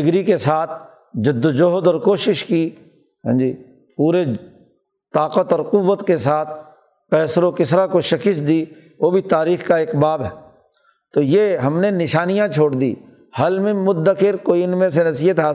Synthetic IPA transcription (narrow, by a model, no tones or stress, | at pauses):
ɪɡɾikesaːt̪ʰ | d͡ʒʊd̪ːd͡ʒoɦd̪ɔːɾkoːʃɪʃki | ɦɛ̰̃ːd͡ʒiː | puːɾe | t̪aːqət̪ɔːɾqʊʋːət̪kesaːt̪̚ʰ | pɛːsɾokɪsɾakoʃɐkɪsd̪i | ʋoːbʱit̪aːɾiːxkaɪkbaːbɦɛː | t̪oːjeɦɐmnenɪʃaːnijãt͡ʃʰoːɽd̪ḭː | hɐlmẽmʊd̪ːəkɪɾkoːiɪnmẽs̬enɐsijət̪ɦaː